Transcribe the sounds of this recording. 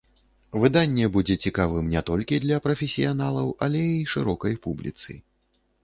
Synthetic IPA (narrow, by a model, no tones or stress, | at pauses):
vɨd̪anʲːɛbud͡zʲɛt͡sʲikavɨmnʲɛt̪ɔlʲkʲid̪lʲɐpɾɐfʲɛsʲijanalˠɐwʔɐlʲɛiʂɨɾɔkɐjpublʲḭt̪sɨ̰